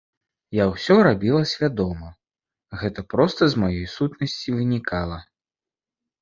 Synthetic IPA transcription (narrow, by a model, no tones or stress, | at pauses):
jawsʲɔɾabʲilˠɐsʲvʲad̪ɔmɐ | ɣɛt̪ɐpɾɔst̪ɐzmajɔjsut̪nɐsʲt͡sʲivɨnʲikalˠɐ